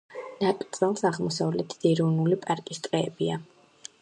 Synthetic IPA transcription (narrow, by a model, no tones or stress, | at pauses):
nat̪ʼt̪sʼɛlˠsaʁmɔsavlɛt̪ʰd̪ɛɾɔvnulipʼaɾkʼist̪ʼqʼɛːbia